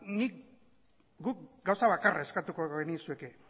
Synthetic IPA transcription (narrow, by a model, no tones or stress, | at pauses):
nik | ɡuk̚ɡawsaβakarae̞skat̪ukoɣenisue̞ke